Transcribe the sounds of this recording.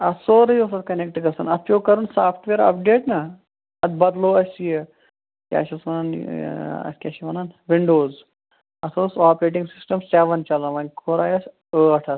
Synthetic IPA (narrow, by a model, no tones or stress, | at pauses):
ɐsoːɾɐjoːsɐt̪kɐnek̚ʈɡɐsɐnɐpjoːkɐɾunsaːpʰʈʋeːɾɐ̰pɖeːʈnɐ | ɐd̪bɐd̪loːɐsʲije | kʲa̰ːʃɐsɐnan | ɐ̰kʲaːʃiʋɐnaːnʋiɳɖoːz | ɐsʰoːsaːpɾeːʈ̬ĩŋɡsisʈɐmseʋɐnt͡ʃɐlɐʋɐnʲkʰoːɾaːjɐs | əːɐʈʰɐs